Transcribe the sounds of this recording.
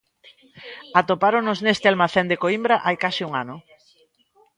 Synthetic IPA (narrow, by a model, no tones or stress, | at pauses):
at̪opaɾonʊznest̪ɪalmaθend̪ekoimbɾaʔajkasɪuŋa̰nʊ